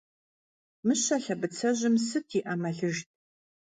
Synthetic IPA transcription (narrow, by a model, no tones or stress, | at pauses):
mɨɕɐɬɐbɨt͡sʰɐʑɪmsɨtʰiʔɐmɐɮɨʒt̚ʼ